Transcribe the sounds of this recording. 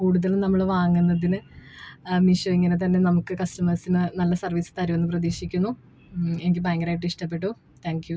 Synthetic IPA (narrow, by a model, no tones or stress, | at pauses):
kuːɽuðɐlnɐmːɐɭʋaːŋːunːɐðinɨ | miʂoiŋːɐne̞t̪̬ɐnːe̞nɐmukːɨkɐstɐmɐsinɨnɐlːɐsɐrʋiːsɨ̥t̪ɐɾuʋɐnːɨprɐðiːʂikʲːunːu | e̞nik̬ʲːɨbaːŋɡɾaːjiʈ̬ːɨiʂʈɐp̬ːe̞ʈ̬ːu | t̪ʰaːŋkju